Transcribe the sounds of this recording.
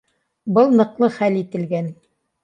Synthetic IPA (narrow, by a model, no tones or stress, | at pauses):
bɤlˠnɤ̆qlˠɤχælit̪ɘ̆lɡæn